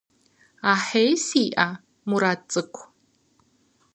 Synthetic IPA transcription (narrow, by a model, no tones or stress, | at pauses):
aħejsiːʔa | muɾat͡sʼɨkʷʰ